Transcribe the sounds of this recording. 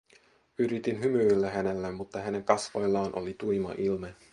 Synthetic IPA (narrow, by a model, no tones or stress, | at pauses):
yɾit̪inɦymylːæɦæne̞lːæmːut̪ːɑɦæne̞ŋkɑsʋo̞jlːɑːnʔo̞̰lit̪ujmɑ̰ʔilme